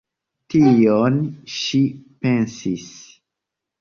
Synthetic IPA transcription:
tionʃipe̞nsis

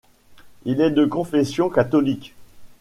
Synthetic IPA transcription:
ilɛd̪əkɔ̃fɛsjɔ̃kat̪ɔlik

